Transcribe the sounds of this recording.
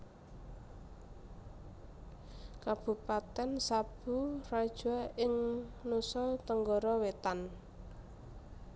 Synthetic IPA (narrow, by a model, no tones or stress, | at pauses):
kab̥ṳpat̪ɛnsab̥urad̥ʒ̥aɪŋnusɔt̪əŋɡɔɾɔwet̪an